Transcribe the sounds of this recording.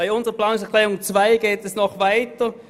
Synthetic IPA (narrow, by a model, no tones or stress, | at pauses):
aɪʊnzəʁəplaːnʊŋs̬ɛɐkʰlɛːʁʊŋt͡svaɪɡ̥eːtɛsnɔχvaɪtə